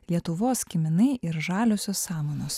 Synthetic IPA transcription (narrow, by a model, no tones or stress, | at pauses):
lʲiɛt̪ʊʋoːskʲɪmʲɪnɐɪʔɪɾʒɑːlʲoːsʲoːsːɑːmoːnoːs